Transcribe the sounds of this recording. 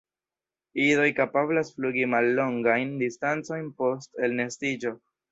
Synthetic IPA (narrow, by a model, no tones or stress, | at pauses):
izo̞jkapablasfluɡimalːo̞ŋɡajndistant͡so̞jnpo̞ste̞lne̞stid͡ʒo̞